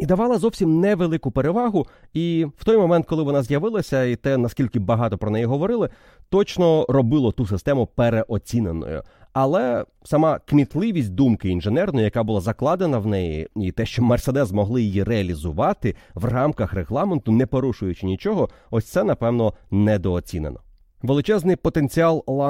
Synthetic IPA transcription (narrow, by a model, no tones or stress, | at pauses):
id̪ɐʋɑlˠɐzɔwsʲimnɛʋelˠɪkʊpeɾe̞ʋɑɦʊiw̥t̪ɔjmɔmɛnt̪̚kɔlˠɪʋɔnɑzʲjɐʋɪlˠɐsʲɐit̪ɛnɐskʲilʲkɪbɐɦɑt̪ɔpɾɔnɛjiɦɔʋɔɾɪlˠɪ | t̪ɔt͡ʃnɔrɔbɪlˠɔt̪usɪst̪ɛmʊpeɾeʔɔt͡sʲinenɔ̰jʊ̰ɐlˠɛ | sɐmɑkmʲit̪lˠɪʋʲisʲt̚ʲd̪umkɪinʒenɛrnɔjʊjɐkabʊlˠazɐklˠɑd̪enɐwnɛjḭit̪ɛʃt͡ʃɔmɐrsed̪ɛzmɔɦlˠɪjijireɐlʲizʊʋɑt̪ɪʋrɑmkɐxreɦlˠɑment̪ʊnɛpɔɾuʃʊjʊt͡ʃɪnʲit͡ʃɔɦɔɔsʲt̪sɛnɐpɛwnɔnɛd̪ɔːt͡sʲine̞̰nɔ | ʋelˠɪt͡ʃɛznɪjpɔt̪e̞nt͡sʲiɑlˠlˠɑ